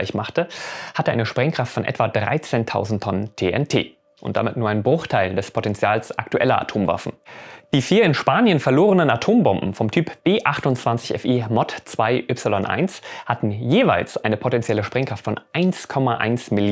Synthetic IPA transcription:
ɪçmaχtəhatəʔaɪnəʃpʁ̥ɛŋkʁ̥aftfɔnʔɛ̰tv̥adʁa̰ɪt͡seːntʰa̰ʊzn̩tʰːɔnəntʰeːʔɛ̰ntʰḛː | ʔʊ̰nt̚d̥a̰mɪtnuːɐʔaɪnbʁʊχtʰaɪldɛspʰotɛnt͡sjaːlsʔa̰ktuʔɛ̰lɐʔa̰tʰoːmva̰fn̩d̥iːfiːɐɪnʃpaːnjənfɛɐloːʁənənatʰoːmbɔmbm̩fɔmtʰyːpb̥eːʔaχtʊnt͡sv̥ant͡sɪçɛ̰fiːmɔtt͡sv̥aɪʔʏpsɪlɔnʔa̰ɪnshatn̩jeːva̰ɪlsʔaɪnəpʰotɛnt͡sjɛləʃpʁ̥ɛŋkʁ̥aftfɔnʔaɪnskʰɔmaʔa̰ɪnsmɪl

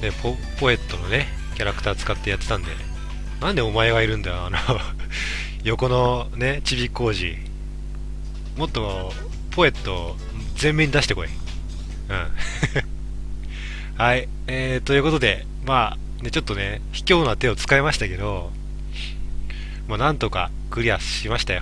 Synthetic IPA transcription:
nepʰo | po̞e̞t̪ːo̞none̞ | kʲaɾakɯ̟̥t̪aːt͡sɨ̥kat̪ːe̞jat̪ːet̪ãnd̪e̞̰ | nãnd̪e̞o̞mae̞ɡaiɾɯ̟̃nd̪aoano | jo̞ko̞no̞ne̞t͡ɕibʲikːo̞ːʑḭ | mo̞t̪ːo̞ | pʰo̞e̞t̪ːo̞ | zẽ̞mːẽ̞ːɲ̟id̪aɕi̥t̪eko̞ḭ | ɯ̃ | hai | et̪o̞jɯ̟ko̞t̪o̞d̪e̞ | maː | ne̞t͡ɕo̞t̪ːo̞ne̞ | çi̥kʲo̞ːnat̪e̞o̞t͡sɨ̥kaemaɕi̥t̪ake̞d̪o̞ | manãnt̪o̞ka̰ | kɯ̟ɾʲiasɕimaɕi̥t̪ajo

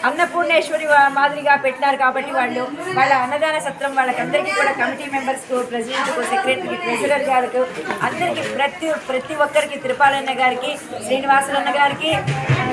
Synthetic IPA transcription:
ɐnːɐpuːɾneːʃʋɐɾimaːd̪iɾiɡaːpeʈːnaːɾukaːbɐʈːiʋaːɭːu | ʋaːɭːɐːnːɐd̪aːnɐsɐt̪ɾɐmʋaːɭːɐkɐnd̪ɐɾikiːkuːɽaːkɐmiʈiːmembɐɾskupɾesiɖeɳʈlukosekɾeʈnikipɾed͡ʒiɾɐɾɡaːlɐkuɐnd̪ɐɾikipɾɐt̪ipɾɐt̪iʋɔkːɐɾikit̪iɾupaːlɐjnːɐɡaːɾikiʃɾiːniʋaːsulɐnːɐɡaːɾiki

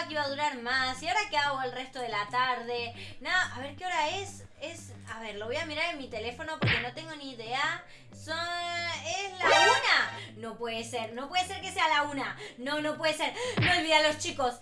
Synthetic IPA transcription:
kiβaðuɾaɾmasiaoɾakeaɣoelre̞st̪o̞ðe̞lat̪aɾðe̞naʔaβe̞ɾkeoɾaes | es | aβe̞ɾlo̞βo̞jamiɾaɾenmit̪e̞le̞fo̞no̞po̞ɾke̞no̞t̪e̞ŋɡo̞niːðea | so | eslaunano̞pweðeseɾno̞pwe̞ðese̞ɾke̞se̞alaunanono̞pwe̞ðese̞ɾnoolβiðalo̞st͡ʃikos

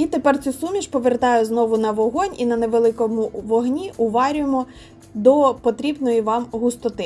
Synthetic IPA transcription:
it̪epɛrt̪t͡sʲusumʲiʃpɔʋert̪ɑjʊznɔʋʊnɐʋɔɦɔnʲinɐneʋelˠɪkɔmʊʋɔɦnʲiʔʊʋɑɾʲʊjemɔ | d̪ɔpɔt̪ɾʲibnɔjiʋɑmɦʊst̪ɔt̪ɪ

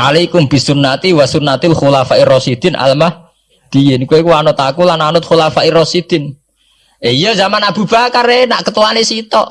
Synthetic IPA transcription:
ʔalikumbi̤sunːat̪iwasunːat̪ilxulafaʔirɔsid̪̥ɪ̤nʔa̰lmah | d̪̥ijɪnkuwekuanʊt̪akulananʊt̪̚xulafaʔirɔsid̪̥ɪn | eijəzamanab̥ṳb̥akaɾenaʔkət̪uanesit̪ɔʔ

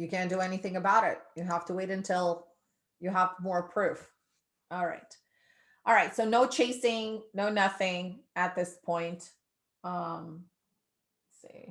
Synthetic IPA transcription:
jɨkʰæ̃nd̥ɨɛniθɪ̃ŋɨbaʊɾɪ̰t̚jɨɦæftəweɪɾɨ̃ntʰɪlˠ | jɨɦəvmɔɹpʰɹ̥ʉf | ɔlˠɹa̰ɪt̚ | ʔɑlˠɹaɪtsoʊnoʊt͡ʃʰeɪsɪ̃ŋnoʊnʌθɪ̃ŋɨt̪̚ðɪspʰɔ̃ɪ̃nt | ʌ̃m | sḭ

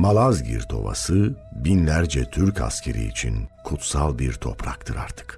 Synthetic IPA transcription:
malˠazɟḭɾt̪ʰo̞̰va̰sɯbinlʲæɾd͡ʒɛt̪ʰyɾcʰa̰scʲʰe̞ɾḭːt͡ʃʰinkʰut̪salˠbiɾt̪ʰo̞pʰɾakt̪ʰɯɾa̰ɾt̪ʰɯ̥k

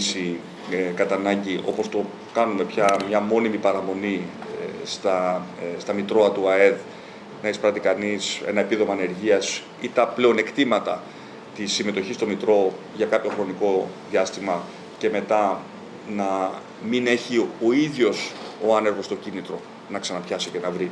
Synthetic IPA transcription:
si | kɐt̪ɐnɐɲɟiʔo̞̰po̞st̪o̞ | kɐnume̞pçɐmɲɐmo̞nimipɐɾɐmo̞ni | st̪ɐst̪ɐmit̪ɾo̞ɐt̪uɐe̞ð | nɐespɾɐt̪ikɐnise̞̰nɐe̞piðo̞mɐːne̞ɾʝiɐs | it̪ɐple̞o̞ne̞kt̪imɐt̪ɐ̰ | t̪isːime̞t̪o̞çist̪o̞mit̪ɾo̞ | ʝɐkɐpço̞xɾo̞niko̞ðiɐst̪imɐ | ce̞me̞t̪ɐ | nɐ | mine̞çio̞iðʝo̞so̞ɐne̞ɾɣo̞st̪o̞cinit̪ɾo̞ | nɐksɐnɐpçɐsice̞nɐvɾi

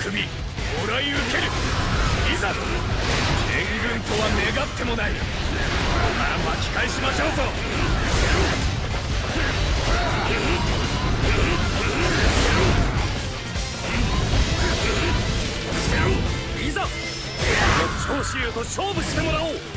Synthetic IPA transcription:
kʰɯ̟bʲi | oɾaiɯke̞ɾɯ̟ | iza | eŋɡɯ̟̃nt̪o̞βane̞ɡat̪ʰːe̞mo̞nai | aɾabakʲi̥kaiɕimaɕoːzo | iza | ot͡ɕoːɕiot̪o̞ɕoːbɯ̟ɕi̥t̪e̞mo̞ɾaoː

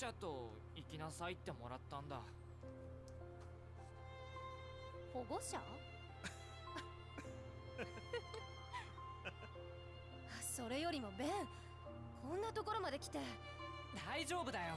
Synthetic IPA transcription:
at̪o̞ | ikʲinasait̪ːe̞mo̞̰ɾat̪ːãnd̪a̰ | ho̞ɡo̞ɕa̰ | aso̞ɾe̞jo̞ɾʲimo̞bẽ | kʰõ̞nːat̪o̞ko̞ɾo̞mad̪ekʲi̥t̪e̞ | d̪aiʑo̞ːbɯ̟d̪ajo̞

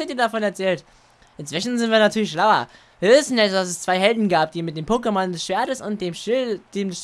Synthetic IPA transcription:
ɪtiːɐdafɔnɛɐt͡sɛːlt | ʔɪntt͡sv̥ɪʃn̩zɪntv̥iːɐnatʰyːɐlɪçʃlaʊɐ̰ | viːɐvɪsn̩ɛd̥as̬ɛst͡sv̥aɪɦɛldn̩ɡaːp̚d̥iːmɪt̚d̥eːmpʰokəmandɛsʃv̥eːɐtəsʊnt̚d̥eːmd̥eːmdɛs

